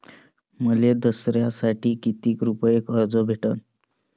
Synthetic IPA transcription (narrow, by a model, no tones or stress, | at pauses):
məled̪əsɾjasaʈʰiːkit̪iːkɾupəjekəɾd͡zɔbʱeʈən